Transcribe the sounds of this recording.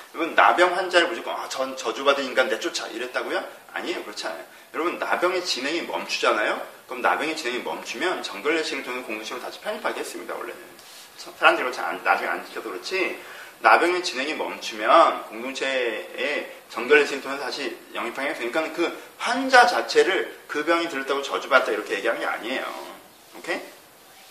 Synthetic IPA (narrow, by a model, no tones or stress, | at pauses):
jʌɾʌbɯnːa̰bjʌŋɸwand͡ʑaɾɯɭpoɕʰik͈oat͡ɕʌnt͡ɕʌd͡ʑobadɯinɡande̞t͡ɕ͈ot͡ɕʰa̰ʔḭɾet̚t͈aɡojʌ | a̰ɲiejokɯɾʌt͡ɕʰana̰jo | jʌɾʌbɯnːabjʌŋe̞t͡ɕinɦe̞ŋimʌ̰mt͡ɕʰu̥d͡ʑanajokɯɾʌmna̰bjʌŋet͡ɕineŋimʌ̰mt͡ɕʰumjʌnt͡ɕʌŋɡjʌɭːeɕʰiɡɯɭtʰoŋekoŋdoŋt͡ɕʰeɾotaɕʰi̥pʰʌɲipʰaɡehes͈ɯmɲida̰wʌ̰ɭːḛnɯ̰nʰ | sʰaɾamdɯɭɡʌt͡ɕʰaa̰nna̰bʌŋa̰nd͡ʑitʰadokɯɾʌt͡ɕʰinabjʌŋe̞t͡ɕinɦe̞ŋimʌ̰mt͡ɕʰumjʌnkoŋdoŋt͡ɕʰe̞ː | t͡ɕʌŋɡjʌɭːe̞ɕʰiɡɯɭtʰoŋetaɕʰijʌŋipʰaŋiɦes͈ɯɲik͈anɯnkɯɸwand͡ʑat͡ɕat͡ɕʰe̞ɾɯɭkɯbjʌŋitɯjt͈ʰaɡot͡ɕʌd͡ʑubat̚t͈aiɾʌkʰe̞je̞ɡiɦaŋea̰ɲie̞jo̰ | okʰe̞